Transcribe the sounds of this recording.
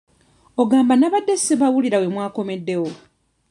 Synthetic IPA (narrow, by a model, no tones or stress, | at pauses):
oɡaːmbanaβadːesiβawuliɾawe̞mwaːko̞medːe̞wo